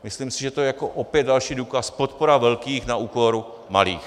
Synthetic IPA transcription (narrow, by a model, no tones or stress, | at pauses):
mɪslimsɪʒɛt̪ojɛjakoʔopjɛd̪̚dalʃiːduːkaspot̪poɾavɛlkiːxnaʔuːko̞ɾu | ma̰lḭːx